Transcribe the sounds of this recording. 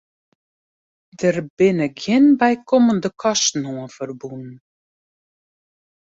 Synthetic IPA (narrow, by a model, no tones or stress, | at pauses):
dəɾbɪnəkʰɪnbajkʰɔmənd̪əkʰɔʃtn̩huənfəɾbunn